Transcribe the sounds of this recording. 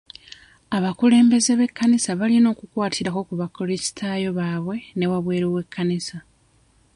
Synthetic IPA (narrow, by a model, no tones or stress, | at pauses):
aβakule̞ːmbe̞ze̞βe̞kːanisaβalino̞ːkukwaːtʰiɾako̞kuβakolesi̥tʰaːjo̞βaːβwe̞ne̞waβwe̞ːɾowe̞kʰːanisa